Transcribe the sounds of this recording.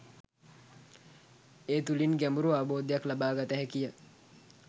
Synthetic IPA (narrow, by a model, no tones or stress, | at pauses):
eːt̪ulinɡæmuɾuaːboːd̪ejaklabaːɡat̪əɦɛkijə